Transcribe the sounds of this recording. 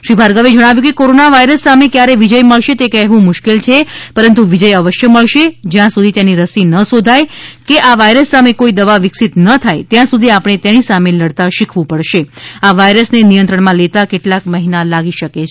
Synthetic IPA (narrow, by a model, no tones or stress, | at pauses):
ʃɾibʱaɾɡəʋed͡ʒəɽ̃aʋjũkekoɾonaʋaiɾəsːamekjaɾeʋid͡ʒəjməɭʃet̪ekɛɦʋũmʊʃkelt͡ʃʰepəɾənt̪̬uʋid͡ʒəjəʋəʃjəməɭʃed͡ʒjãsud̪ʱit̪janiɾəsinəsod̪ʱajkeʔaʋaiɾəsːamekoid̪əʋaʋɪksit̪nət̪ʰajt̪jãsud̪ʱiapɽ̃et̪enisameləɽt̪aʃikʰʋũpəɭʃeaʋaiɾəsnenijənt̪ɾəɳmãlet̪akeʈlakməɦinalaɡiʃəke